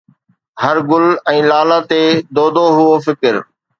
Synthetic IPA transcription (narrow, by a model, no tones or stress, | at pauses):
hɐɾɡʊlɛ̃ːlaːlat̪eːd̪oːd̪oɦʊofɪkɪɾ